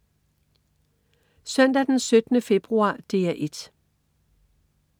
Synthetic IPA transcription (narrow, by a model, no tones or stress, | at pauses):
sœnd̥æd̥ensød̥ənəfe̝b̥ʁuɑ̰̈ːd̥eːæʔe̝d̥